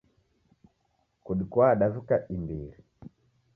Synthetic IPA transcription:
kuɗikwaɗavukaʔimbḭɾi

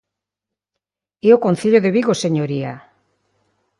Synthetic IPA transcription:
eokon̟θiʎoðeβiɣoseɲoɾia

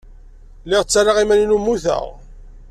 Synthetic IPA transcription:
lːɪʁt͡sːaraʁimæninumːuθə̰ʁ

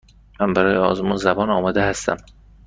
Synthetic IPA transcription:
mænbæɾɒːjeɒ̰ːzmunzæbɒːnɒːmɒːd̪ehæst̪æ̰m

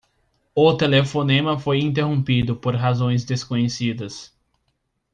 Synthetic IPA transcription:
ʊt̪elefonẽmɐfojĩnt̪̬eɦõpid̪ʊpoɾɦazõj̃zd̪eskõɲesid̪ɐs

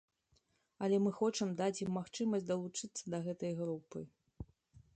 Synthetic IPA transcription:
ɐlʲɛmɨxɔt͡ʂɨmd̪at͡sʲjimːaxt͡ʂɨmɐsʲtʲd̪ɐlˠut͡ʂɨt̪sːɐd̪ɐɣɛt̪ɐjɣɾupɨ

